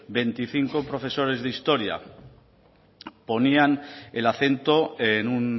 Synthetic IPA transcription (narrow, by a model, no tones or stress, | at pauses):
be̞nt̪iθiŋkopɾo̞fe̞so̞ɾe̞zðeist̪o̞ɾja̰ | po̞niane̞laθe̞nt̪oenun